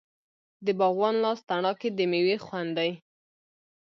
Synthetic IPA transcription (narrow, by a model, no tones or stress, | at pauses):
d̪əbɑɣwɑnlɑst̪aɳɑked̪əmewexwand̪aj